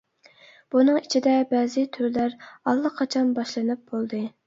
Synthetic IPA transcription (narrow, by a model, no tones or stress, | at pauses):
b̥unɨŋit͡ʃʰid̪ɛbɛzɪt̪ʰyɾlæɾɑlˠːəqʰɑt͡ʃʰɑnbɑʃlˠɨnɨp̚bolˠd̪ɨ